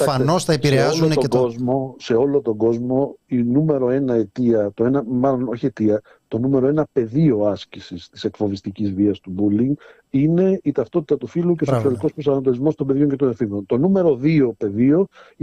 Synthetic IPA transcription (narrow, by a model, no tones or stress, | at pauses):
ɐnost̪ɐeiɾeɐzonet̪ɡozmo̞se̞o̞lo̞t̪o̞ɡo̞zmo̞inume̞ɾo̞e̞nɐe̞t̪iɐt̪oenɐmɐlo̞no̞çiet̪iɐ | t̪o̞nume̞ɾo̞e̞nɐpe̞ðio̞ɐscisist̪i̥se̞kfo̞vist̪icizviɐst̪ubuliŋɡ | ine̞it̪ɐft̪o̞t̪i̥t̪ɐt̪ufiluceosoksiɐliko̞spɾosɐnɐt̪̬o̞lizmo̞st̪obe̞ðʝo̞ɲce̞t̪onefiŋɡo̞nt̪o̞nume̞ɾo̞ðio̞pe̞ðio̞